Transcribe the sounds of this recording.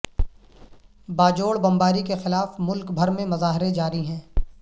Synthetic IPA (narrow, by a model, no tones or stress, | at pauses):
baːd͡ʒoːɽbɐ̃mbaːɾikexɪlaːfmʊlkbʱɐɾmẽmɐzaːɦɾed͡ʒaːɾiɦɛ̃ː